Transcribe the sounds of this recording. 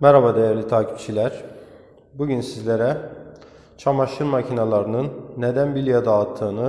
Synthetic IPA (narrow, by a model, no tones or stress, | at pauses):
mæɾabad̪ejæɾlʲit̪ʰaːcʰi̥p̚t͡ʃʰilʲæɾ̥ | buɟynsizlʲeɾæ | t͡ʃʰamaʃɯɾmacʰinalˠɑɾɯnɯnːɛd̪ænbilʲjad̪aːt̪ʰːɯːnɯ